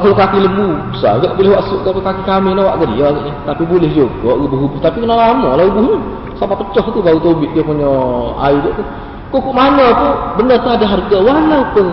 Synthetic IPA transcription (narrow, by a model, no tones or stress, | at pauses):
kalokakiləmbubəsa̰ɡaʔbilehwaʔsuʔkapakakikaminawa̰ʔɡadḭjaɡaʔɲat̪apibulɪhd͡ʒoɡɔʔubuɦubuht̪apikənaʔlamɔlaubuhɲə | sapapət͡ʃɔht̪ubaɾut̪obɪʔ̪̚diəpuɲɔa̰idəʔt̪u | kuʔkuʔmanat̪ubənərt̪uadaɦarɡawalauku